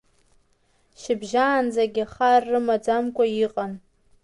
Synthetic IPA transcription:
ʃɪbʒaːnd͡zaɡʲaχarːɨmad͡zamkʷʼaiqʼan

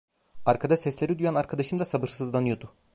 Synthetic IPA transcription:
aɾkʰad̪aʃsɛslʲeɾid̪ujanaɾkʰad̪aʃɯnd̪asabɯɾsɯzlˠanɯjo̞d̪ʊ

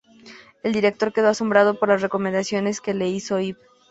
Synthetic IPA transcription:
e̞ld̪iɾe̞k̚t̪o̞ɾke̞ð̞o̞asombɾað̞o̞po̞ɾlasre̞ko̞mend̪asjo̞ne̞ske̞le̞iso̞ip̚

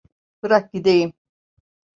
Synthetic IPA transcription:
bɯɾak̚ɟid̪ejim

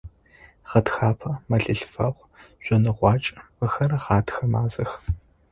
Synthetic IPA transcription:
ʁɐtxaːpʰɐmɐɬɨɬfɐʁʷ | ʑ̥ʷɔnɨʁʷɑːt͡ʃʼwɐxɐrɐʁɑːtxɐmaːzɐx

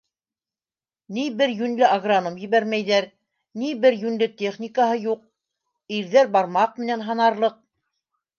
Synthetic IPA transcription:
nibɘɾjʉnlɘʔaɡranomjɘ̆βæɾmæjðæɾ | nibɘɾjʉnlɘt̪ʲeχnʲikəɦɤjuq̚ | iɾðæɾbɑɾmɑq̚mɘ̆nænɦɑnɑɾlˠɤq̚

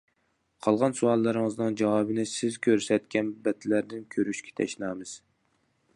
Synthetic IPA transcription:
qʰɑlˠʁɑnsuɑlˠːɨɾɨŋɨznɨŋd͡ʒɑwɑbɨnɪsɪzkʲʰøɾsɛt̪̚kʲɛnbɛt̪ʰɪlæɾd̪ɪnkʲʰøɾyʃkʲʰɛ̥t̪ʰɛ̰ʃnɑːmɨz̥

